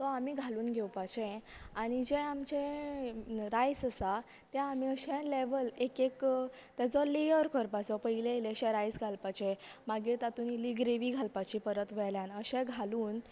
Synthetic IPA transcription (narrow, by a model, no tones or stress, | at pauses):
t̪ɔamiːɡʱaluːnɡʱewpat͡ɕɛ̃aɽ̃id͡ʑɛ̃amt͡ɕẽ | ɾajsəsa | t̪jaamiəɕɛ̃leʋəlekek | t̪jat͡sɔlejəɾkəɾpat͡sɔpəileleəɕɛ̃ɾajsɡʱalpat͡ɕemaɡit̪at̪unilːiɡɾeʋiːɡʱalpat͡ɕipəɾət̪ʋɛɭljanəɕɛ̃ɡʱaluːn